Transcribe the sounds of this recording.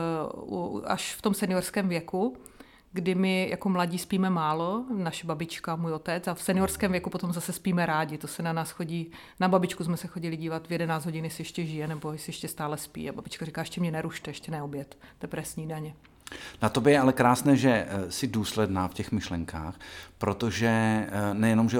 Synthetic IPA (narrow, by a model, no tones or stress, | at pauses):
a̰ʃft̪omsɛnɪjorskɛːmvjɛku | ɡdɪmɪja̰ko̞mlaɟiːspiːmɛmaːlo̞naʃɛbabɪt͡ʃkamuːjo̞t̪ɛt͡safsɛnɪjoɾskɛːmvjɛkupo̞t̪omzasɛspiːmɛɾaːɟɪt̪osɛnanaːsxoɟiː | nababɪt͡ʃkusmɛsɛxo̞ɟɪlɪɟiːvat̪vjɛdɛnaːt͡szɦoɟɪnjɛsɪjɛʃcɛʒɪjɛnɛbo̞jɛsɪjɛʃcɛst̪aːlɛspḭːababɪt͡ʃkarikaːjɛʃcɛmɲɛnɛɾuʃt̪ɛjɛʃcɛnɛobjɛt̪d̪ɛpɾɛsɲiːdaɲɛ | nat̪obɛjɛalɛkɾaːsnɛːʒɛsɪduːslɛdnaːfcɛxmɪʃlɛŋka̰ːxpɾot̪oʒɛnɛjɛnomʒɛ